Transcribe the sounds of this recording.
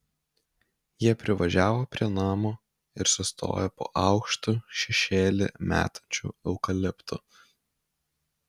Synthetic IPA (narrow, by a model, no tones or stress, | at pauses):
jiɛpʲɾʲɪʋɐʒʲæːʋoːpʲɾʲiɛnɑːmoː | ɪɾsʊst̪o̰ːjopo̰ːʔɑʊkʃt̪uːʃʲɛʃʲeːlʲɪ̰mʲæ̰ːt̪ɐ̥nʲt͡ʃʲṵːɛʊkɐlʲɪpt̪ʰʊ